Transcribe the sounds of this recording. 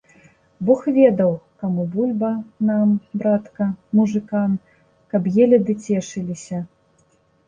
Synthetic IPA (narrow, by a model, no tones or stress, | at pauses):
bɔxvʲɛd̪ɐwkamubulʲbɐnambɾat̪kɐmuʐɨkan | kɐbjɛlʲɐd̪ɨt͡sʲɛʂɨlʲisʲɐ